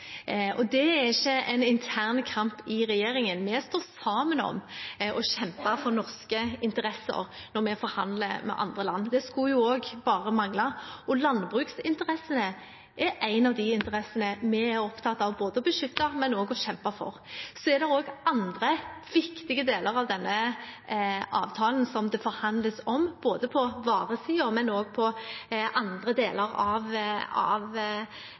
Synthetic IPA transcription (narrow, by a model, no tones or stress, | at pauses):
ʔɔd̪ɛæɪçːəɛ̰ɪnɪnt̪ʰæːʁnkʰɑmpɪɾɛjeːɾɪŋənmɛst̪oːsɑːmənɔ̰mɔɕɛmpɑfɔɾnɔʁskəɪnt̪əɾɛsːə̰ɾnɔɾmɛfɔɾhɑnd̪lə̰mɛ̰ʔɑ̰nd̪ʁəlɑnːd̪ɛskʊjʊoːɡbɑːɾəmɑŋlɑɔlɑnbʁʉːksɪnt̪əʁɛsːənə | ʔɛɾæɪnɑʋd̪ɪɪnt̪əɾɛsənəmɛæɾɔpt̪ʰɑt̪ːɑʋboːd̪əɔbəʃʏt̪ːɑmɛnoːɡɔɕɛmpɑfɔ̰ʁsɔɛɾd̪ɛɾoːɡʔɑnd̪ʁəʋɪkt̪ɪɡəd̪eːləɾɑʋd̪ɛnːə | ʔɑ̰ːʋt̪ʰɑːln̩sɔmd̪ɛfɔɾhɑnd̪ləsɔmb̥oːd̪əpʰɔʋɑːʁəsiːʊɾmɛnoːɡpʰɔʔɑnd̪ʁəd̪eːləɾɑʋɑ̰ʋ